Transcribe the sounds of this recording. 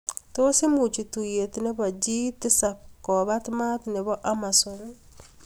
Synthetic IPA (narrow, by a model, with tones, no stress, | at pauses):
to˦se˦mu˨t͡ʃi˨tu˨je˨tne˦βa˨d͡ʒi˦ti˦sakːɔ˨βatma˦tne˨βɔ˦ʔamason